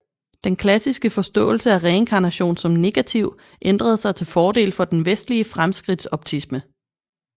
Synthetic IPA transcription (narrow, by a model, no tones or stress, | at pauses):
d̥enkʰlæsisɡ̥əfɒ̽sd̥ɔ̰̽ːl̩səæʁɛe̝nkʰɑ̈ːnæɕo̝̰ːnsɒ̽mne̝ɡ̥æt͡sʰiʊ̰ | ʔend̥ʁɐð̞ˠsɑ̈ɪt͡sʰe̝lfɒːde̝̰ːlfɒ̽d̥enʋesd̥liəfʁamsɡ̥ʁid̥sɒ̽b̥̚t͡sʰismə